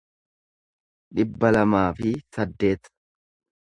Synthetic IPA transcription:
ᶑɪbːɐlɐmaːfɪsɐd̪ːe̞ːt̪

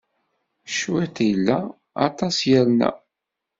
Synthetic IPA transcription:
ʃuæt̪jəlːæ | ɑ̰t̪ˤɑsjæɾnæ̰

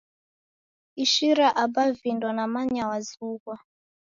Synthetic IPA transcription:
iʃiɾaʔabavindɔnamaɲɲawazuɣwa

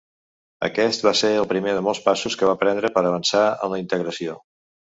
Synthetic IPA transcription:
ə̰kɛst̪̚baseɾəlˠpɾimeðəmɔlˠspasuskəβ̞apɾɛnd̪ɾəpəɾəβ̞ənsaə̰mləint̪əɣɾəsio

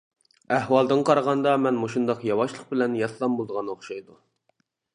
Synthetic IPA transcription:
æhwɑlˠd̪ɨnqʰɑɾɑʁɑnd̪ɑmɛnmoʃund̪ɑqjɑwɑʃlˠəq̚bɪlɛnjɑt̪ʰlˠɑmbolˠd̪əʁɑnoχʃɑjd̪u

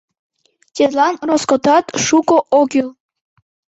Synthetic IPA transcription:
t̪ʲet̪lɑnroskot̪ɑt̪ʃukoʔoɡil

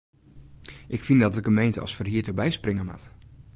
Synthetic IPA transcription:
ʔɪkfindɔtəɡəmejntəɑ̰lˠsfərɦiːdəbɛjsprɪŋəma̰t

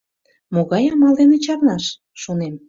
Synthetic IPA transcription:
moɣɑjɑmɑld̪enĕt͡ɕɑrnɑʃː | onem

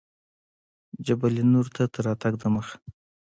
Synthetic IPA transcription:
d͡ʒabalinuɾt̪ʰat̪əɾɑt̪aɡd̪əməx

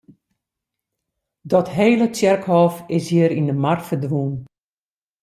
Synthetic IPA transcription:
dɔtɦeːlət͡sjɛrkhɔːfɪshiəɾindəmarfərdʋun

